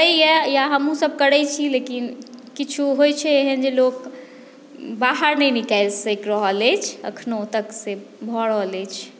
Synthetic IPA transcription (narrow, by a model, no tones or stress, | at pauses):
əiɛjaɦəmũsəb̚ʱkəɽɛjt͡ʃʰilekinkit͡ʃʰuɦojt͡ʃʰɛeɦənd͡ʒelok | baɦəɾnəjnikajlsəkɾɔɦɔlɛt͡ʃʰə̰kʰnot̪əksebʱɔɽɔlɛt͡ʃʰ